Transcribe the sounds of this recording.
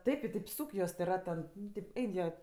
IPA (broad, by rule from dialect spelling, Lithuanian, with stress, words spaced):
ˈtɐɪp ɪ tɐɪp ˈsuːk juɔs tʲeː ˈrɐt tʲɛn ˈnʊ tʲeːp ˈɛɪn jiɛ